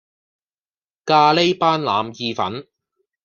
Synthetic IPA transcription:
kaː˧le˥jpaː˥nla̰ː˨˧mjiː˧fɐ̰˨˥n

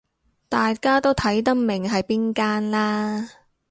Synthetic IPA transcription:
t̪aː˨jkaː˥t̪o˥wt̪ʰɐ˨˥jt̪̬ɐ˥k̚mɪ˨˩ŋɦɐ˨jpiː˥nkaː˥nlaː˥

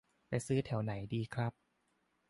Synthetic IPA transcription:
lɛ˧sɯː˦˥t̪ʰɛ˩˦wna˩˦jdiː˧kʰɾa˦˥p̚

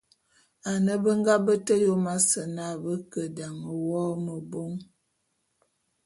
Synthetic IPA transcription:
a˨nə˦bə˦ŋ˦ɡa˦bə˦tə˦jo˦ma˦sə˨na˦˨bə˦kə˨da˨ŋə˨wɔ˦mə˨bo˦ŋ

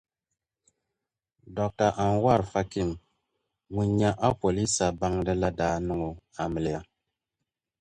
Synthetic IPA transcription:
dɔ˨k̚ta˨ʔa˨nwa˦˨ɾfa˦ki˦˨ŋ | ŋu˨ɲa˦ʔa˦po˨li˦sa˨ba˦ŋdɨ˦la˦daː˦nu˦ŋo˨a˨mɨ˨lja˦

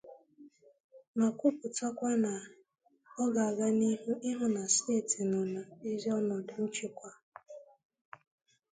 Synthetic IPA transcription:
ma˨kʷu˦pʊ˨ta˦kʷa˦na˨ | ɔ˦ɡa˨a˨ɡa˦ni˦ɦu˦ʔɪ˦ɦʊ˦na˨ste˦˨ti˨nʊ˨na˨i˦zɔ˦nɔ˨dʊ˨n̩˦t͡ʃi˦kʷa˦

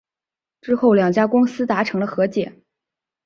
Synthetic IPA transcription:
ʈ͡ʂɻ̩˥xo˥˩ʊljɑ˨˩ŋt͡ɕja˥kʊ˥ŋsɹ̩˥t̪a˧˥ʈ͡ʂʰɤ˧˥ŋlə˧xɤ˧˥t͡ɕjɛ˨˩˦n

